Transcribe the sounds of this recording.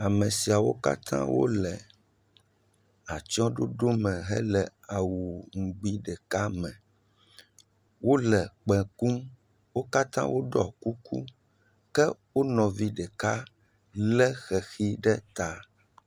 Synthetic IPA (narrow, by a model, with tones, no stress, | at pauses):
a˨mɛ̃˨si˨a˨wo˦ka̰˦t̪ʰã̰˦wo̰˦lɛ˨ | a˨t͡ʃɔ̃˦ɖo˦ɖo˦mɛ̃˨ɦɛ̰˦lɛ˨a˨wu˨ŋ̩˨ɡ͡bi˦ɖɛ˨ka˦mɛ̃˨ | wo˦lɛ˨k͡pɛ̃˨ku˦m | wo˦ka˦t̪ã̰˦wʔo˦ɖɔ˨ku˦kṵ˦ | kɛ˦wo˦nɔ̃˨vi˦ɖɛ˨ka˦ | lɛ˦xɛ˨xi˦ɖɛ˦t̪a˦